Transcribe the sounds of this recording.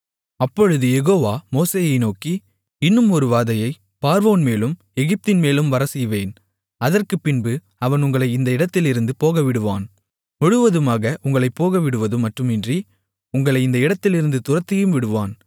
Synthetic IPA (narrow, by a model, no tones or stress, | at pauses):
ɐpːɔɻɯðɯjɛɣoːʋaːmoːseːjɐɪnoːki | ɪnːɯmɔɾɯʋaːðɐjɐɪ | paːɾʋoːnmeːlɯm | ɛɣɪp̚t̪ɪnmeːlɯmʋɐɾɐsɛjʋeːn | ɐðɐrkɯpːɪnbɯ | ɐʋɐnʊŋɡɐɭɐɪɪnd̪ɐɪɽɐt̪ːɪlɪɾɯnd̪ɯpoːɣɐʋɪɽɯʋaːn | mʊɻɯʋɐðɯmaːɣɐʔʊŋɡɐɭɐɪpːoːɣɐʋɪɽɯʋɐðɯmɐʈrɯmɪndri | ʊŋɡɐɭɐɪɪnd̪ɐɪɽɐt̪ːɪlɪɾɯnd̪ɯt̪ʊrɐt̪ːɐjɯmʋɪɽɯʋaːn